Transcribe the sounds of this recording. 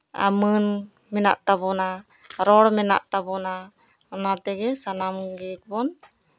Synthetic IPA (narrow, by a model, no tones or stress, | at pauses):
a̰mən | mɛna̰ʔt̪abɔna | ɾɔɽmɛna̰ʔt̪aβɔna | nat̪ɛɡɛsanamɡɛk̚bɔn